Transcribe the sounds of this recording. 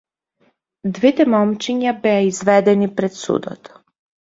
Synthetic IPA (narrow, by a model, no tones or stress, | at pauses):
d̪vɛt̪ɛmɔmt͡ʃiɲabɛaizvɛd̪ɛnipɾɛt̪sṵd̪ɔ̰t̪